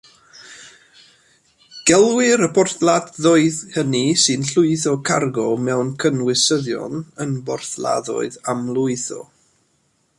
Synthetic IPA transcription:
ɡ̥ɛlˠwɪɾəbʰɔrθladðoɨðhənisɨnɬʊɨθɔkʰarɡɔmɛwnkʰənwɪsəðjɔ̰nənbɔrθlˠa̰ðɔ̰ɨðamlˠʊɨθɔ̰

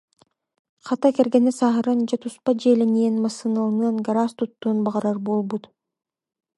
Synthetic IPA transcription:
qʰɑt̪ɑkeɾɡenesɑɦɯɾɯnd͡ʒet̪ʰuspad͡ʒeːlʲenienmasɯnɯlˠnɯnɡaɾast̪ut̪ːuːnbɑʁɑɾɑɾbolˠbut̪

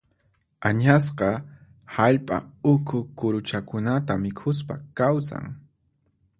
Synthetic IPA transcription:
aɲas̬qɑ | haʎpʼa̰ʊkʰʊkʊɾʊt͡ʃakʊnat̪amɪkʰʊs̬pakawsa̰ŋ

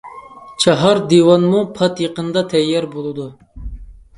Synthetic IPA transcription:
t͡ʃʰɑɦɑɾd̪iwɑnmupʰɑt̪jəqənd̪ɑt̪ʰɛjːɑɾbolˠɨd̪u

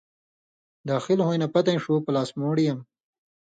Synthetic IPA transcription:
d̪ɑːxɪlhojnapat̪aj̃ʂupəlɑːsmoːɽijam

